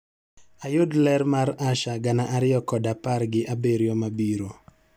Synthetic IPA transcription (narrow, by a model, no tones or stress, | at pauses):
ajʊdlɛɾmaɾaʃaɡanaʔaɾɪɔkɔdaparɡɪʔabeɾjɔmabiɾo